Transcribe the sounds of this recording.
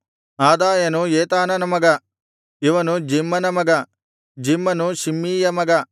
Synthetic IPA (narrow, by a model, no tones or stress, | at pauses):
aːd̪aːjɐnujeːt̪aːnɐnɐmɐɡɐ | iʋɐnud͡ʒimːɐnɐmɐɡɐ | d͡ʒimːɐnuʃimːiːjɐmɐɡɐ